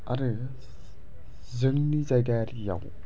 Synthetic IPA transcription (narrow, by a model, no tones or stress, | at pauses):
aɾɯ | zɯŋnizajɡajɾija̰w